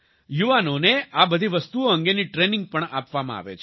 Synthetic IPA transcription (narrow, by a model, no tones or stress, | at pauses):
juʋanoneabəd̪ʱiʋəst̪uoəŋɡeniʈɾenɪ̃ŋɡ̚pəɳapʋamã̰a̰ʋḛt͡ʃʰ